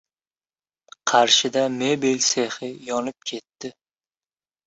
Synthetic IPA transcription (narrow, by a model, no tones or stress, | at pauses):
qʰɑɾʃɪd̪amebilʲseχɪjɒnɪp̚kʲʰe̞t̪ːɪ